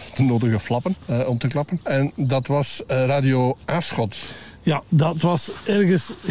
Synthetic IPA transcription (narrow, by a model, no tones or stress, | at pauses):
tənoːdəɣəflɑpənɔmtəklɑpənɛndɑtʋɑsraːdioːaːsxɔt | jadɑtʋɑsɛrɣəs